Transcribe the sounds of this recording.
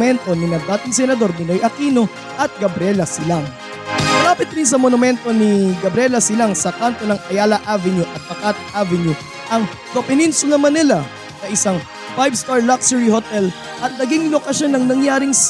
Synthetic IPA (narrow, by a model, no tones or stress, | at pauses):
mɛnt̪o̞nɪnɐɡ̚d̪aːt̪ɪŋsɛnɐd̪o̞ɾmɪnojʔɐkiːno̞ | ʔɐt̪̚ɡɐbɾɛlɐsɪlaŋ | mɐɾaːpɪt̪̚ɾins̬ɐmonʊmɛnt̪o̞nɪɡɐbɾɛlɐsɪlaŋsɐkant̪onɐŋʔɐjaːlɐʔavɪnjuʔɐt̪̚pɐkat̪ʔavɪnju | ʔɐŋ | d̪opɪnɛnsonɐmɐnɪla | sɐʔɪsaŋ | bajbst̪aɹlaksɛɹihot̪ɛl | ʔɐt̪̚nɐɡiŋlokɐʃo̞nːɐŋnɐŋjaːɾɪŋs